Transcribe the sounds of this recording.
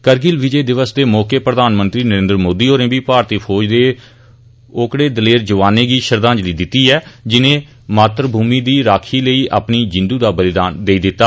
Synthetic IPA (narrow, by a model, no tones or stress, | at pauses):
kəɾɡɪlʋɪd͡ʒeːd̪ɪʋəsd̪eːmɔːkeːpɾəd̪aːnmə̃nt̪ɾiːnəɾẽːnd̪ɾmoːd̪iːoːɾẽːbiːpaːɾt̪iːpʰoːd͡ʒd̪eː | oːkɽeːd̪əleːɾd͡ʒəʋaːneːɡiːʃəɾd̪ãːnd͡ʒliːd̪ɪt̪ːiːɛːd͡ʒɪnẽː | maːt̪ɾəbʱuːmiːd̪iːɾaːkʰiːləiːʔa̰ːpniːd͡ʒɪ̃nd̪uːd̪aːbəlɪd̪aːnd̪eːiːd̪ɪt̪ːaː